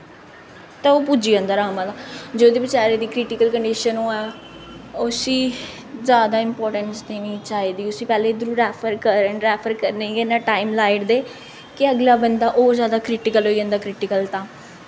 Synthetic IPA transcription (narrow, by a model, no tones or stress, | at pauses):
t̪ɛːoːpud͡ʒiːə̃ːnd̪aːɾaːmãːd̪aːd͡ʒoːd̪eːbɪt͡ʃaːɾeːd̪iːkɾɪʈɪkəlkəɳɖiːʃənõːɛː | osiː | zjaːd̪aːɪmpɔːɾʈəɳsd̪eːnĩːt͡ʃaːɦiːd̪iːʊsiːpɛːleːd̪ɾuːɾɛːpʰəɾkəɾəɾɛːpʰəɾkəɾneːɡenãːʈaːɪmlaːɪʈd̪eː | kɪəɡlaːbənd̪aːʔoːzjaːd̪aːkɾɪʈɪkəloːiːə̃ːnd̪aːkɾɪʈɪkəlt̪ãː